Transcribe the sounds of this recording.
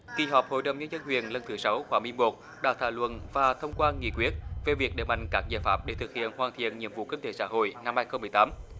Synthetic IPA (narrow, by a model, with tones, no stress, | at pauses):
ki˨˧˩ɦɔː˨˩p̚ho̰˧˨jɗə˨˩wŋ͡mɲə˧nzə˧nhwḭ˨˩ənlə˧nt̪ʰɨ˨˦sa˨˦wxwaː˨˦mwi˧mo˨˩t̚ | ɗa̰ː˧˥t̪ʰaː˧˩wlwə̰˧˨nvaː˨˩t̪ʰə˧wŋ͡mkwaː˧ŋḭ˧˨kwi˦˥ət̚ve˨˩vi˨˩ək̚ɗḛ˧˨˩ma̰˧˨jŋ̟kaː˦˥k̚zaː˧˨˩faː˦˥p̚ɗe˧˩t̪ʰɨ˨˩k̚hḭ˧˨ənhwaː˨˩nt̪ʰḭ˧˨ənɲḭ˧˨əmvṵ˧˨kï˧ŋ̟t̪e˨˦sa̰ː˧˥ɦo̰˧˨jna˧mhaː˧jxə˧wŋ͡mmɨ˨˩əjt̪aː˨˦m